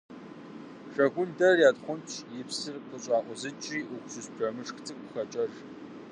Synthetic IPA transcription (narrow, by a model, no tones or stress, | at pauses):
ʂɐɡʷʊndɐrjaːdχʷʊnt͡ʃʰjɪpsɨrqəɕʷʼɑːʔʷʼɔzɨt͡ʃʼiːʔʊkʷʼsuspʰrɐmɨʂxt͡sʰʼɨkʷʼʊxɐt͡ʃʼɐʐ